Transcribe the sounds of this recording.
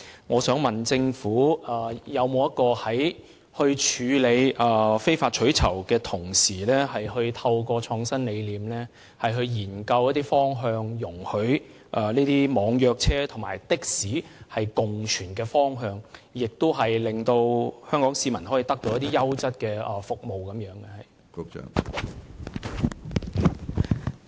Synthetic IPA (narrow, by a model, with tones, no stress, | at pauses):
ŋɔː˨˧sœː˨˥ŋmɐ˨nt͡sɪ˧ŋfuː˨˥ɐː˨˩jɐ˨˧wmo˨˧wɐ˥t̚kɔː˧hɐ˨˥j | hɵ˧ɥt͡ʃʰyː˨˧le˨˧jʔɐː˨fe˥jfaː˧t̚t͡ʃʰɵ˨˥ɥt͡sʰɐ˨˩wkɛː˧t̪ʰʊ˨˩ŋsiː˨˩lɛː˥hɐ˨jhɵ˧ɥt̪ʰɐ˧wkɔː˧t͡ʃʰɔː˨˧ŋsɐ˥nle˨˧jliː˨˥mlɛː˥ | hɐ˨jɦɵ˧ɥjiː˨˩nkɐ˧wjɐ˥t̪̚iː˥fɔː˥ŋɦœː˧ŋjʊ˨˩ŋhɵ˨˥ɥ | ʔɐ˨niː˥t̪iː˥mɔː˨˧ŋjœː˧k̚t͡sʰɛː˥t̪ʰʊ˨˩ŋma̰ː˨˩jt̪ɪ˥k̚siː˨˥hɐ˨jkʊ˨ŋt͡ʃʰyː˨˩nkɛː˧fɔː˥ŋɦœː˧ŋjɪ˨k̚t̪ʊ˥wɦɐ˨jlɪ˨ŋt̪o˧whœː˥ŋkɔː˨˥ŋsiː˧mɐ˨˩nhɔː˨˥jiː˨˧t̪ɐ˥k̚t̪o˧wjɐ˥t̪iː˥jɐ˥wt͡sɐ˥t̚kɛː˧ɐː˨˩fʊ˨k̚mo˨wkɐ˨˥mjœː˨˥ŋɡɛ˧hɐ˨j̰